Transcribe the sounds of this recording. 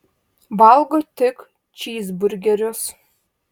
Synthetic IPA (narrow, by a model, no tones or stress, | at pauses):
balˠɡot̪ʲɪk | t͡ʃiːzbʊɾʲɡʲɛɾʲos